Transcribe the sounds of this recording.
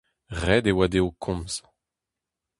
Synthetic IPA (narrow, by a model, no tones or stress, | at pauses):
ʁɛd̪ewad̪eokʰɔ̃mz̥